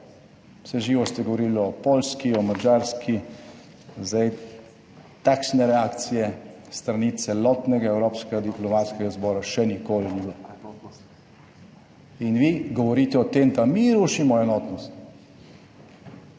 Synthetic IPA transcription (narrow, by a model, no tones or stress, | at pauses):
wsɛʒiːʋɔst̪ɛɡɔʋɔɾilɔpolskiɔmad͡ʒaɾski | zd̪aj | t̪akʃnɛɾɛakt̪sijɛ | st̪ɾanit̪sɛlɔt̪nɛɡaɛwɾoːpskɛɡad̪iplɔmat̪skɛɡazbɔːɾaʃɛnikoːliniɛ | inʋiɡɔʋɔɾiːt̪ɛɔt̪emd̪amiɾuːʃimɔɛnɔːt̪nɔst̪